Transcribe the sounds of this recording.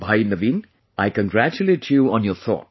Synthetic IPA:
bʱajnəʋĩːn | ajkə̃nɡɾæt͡ʃuleːʈʰjuːɔ̃njɔɾt̪ʰɔ̰ːt̚

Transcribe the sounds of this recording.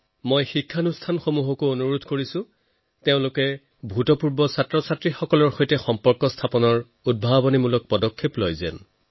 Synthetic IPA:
mojxikʰːanustʰanxomuɦɔkoonuɹudʱkoɹisʊ̃ | teʊ̃lʊkɛ | bʱutɔpuɹbɔsatɹɔsatɹixɔkɔlɔɹxojtɛxɔmpɔɹkɔstʰapɔnɔɹ | ud̚bʱabɔnimulɔk̚pɔdɔkʰːeplojzɛ̰n

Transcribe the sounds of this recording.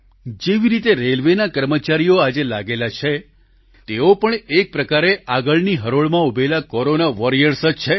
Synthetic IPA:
d͡ʒeʋiɾit̪eɾelʋenakəɾmət͡ʃaɾijoad͡ʒelaɡelat͡ʃʰe | t̪eopəɳek̚pɾəkaɾeaɡəɭniɦəɾoɭmãubʱelakɔɾonaʋɔɾijəɾsəd͡ʒt͡ʃʰe

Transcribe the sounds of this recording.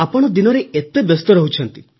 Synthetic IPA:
apɔɽ̃ɔd̪inɔɾeet̪ebest̪ɔɾɔɦut͡ʃʰɔnt̪i

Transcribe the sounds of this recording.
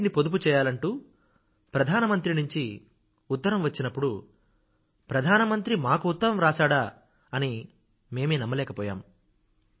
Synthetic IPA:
nipod̪up̬ut͡ʃɛːjaːlɐɳʈuː | pɾɐd̪ʱaːnɐmɐnt̪ɾinuɲt͡ʃi | ut̪ːɐɾɐmʋɐt͡ʃːinɐpːuɽu | pɾɐd̪ʱaːnɐmɐnt̪ɾimaːkuut̪ːɐɾɐmɾaːsaːɽa | ɐni | me̞ːmeːnɐmːɐlɛːkɐpɔːja̰ːm

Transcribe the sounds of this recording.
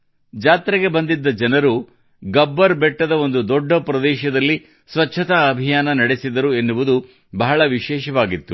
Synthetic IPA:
d͡ʒaːt̪ɾɐɡebɐnd̪id̪ːɐd͡ʒɐnɐɾu | ɡɐbːɐɾbɛʈːɐd̪ɐo̞nd̪ud̪ɔɖːɐpɾɐd̪ɛːʃɐd̪ɐlːi | sʋɐtːt͡ʃʰːɐt̪aɐbʱijaːnɐnɐɽe̞sid̪ɐɾuenːuʋud̪u | bɐɦɐɭɐʋiʃɛːʃɐʋaːɡit̪ːu

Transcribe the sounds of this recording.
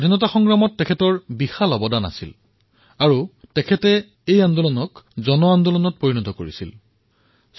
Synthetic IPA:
dʱinɔtaxɔŋɡɹamɔtːɛkʰɛtɔɹbixalɔbɔdana̰sḭl | aɹutɛkʰɛtɛ | ejandɔlɔnɔkzɔnɔandɔlɔnɔt̚poɹinɔtɔko̰ɹisḭl

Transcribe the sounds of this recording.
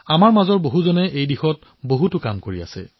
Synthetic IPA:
amaɹmazɔɹboɦuzɔnɛʔejdixɔt̚ | boɦutʊkamkoɹia̰sɛ̰

